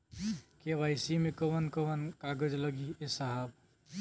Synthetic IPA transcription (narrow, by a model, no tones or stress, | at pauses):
keβajsimekəʋənkəwənkaɡəd͡ʒləɡiesaɦab